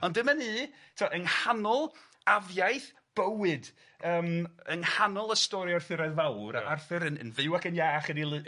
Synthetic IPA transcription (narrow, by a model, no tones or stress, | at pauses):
ɔndɨməniː | tʰɪwaʔənhanɔlˠ | avjajθ | b̥əwɨd | əːmənhanɔlˠəstɔɾiarθɪɾaðvawɾaarθɨɾənə̰nvɪwakənjaːaχədilˠɨ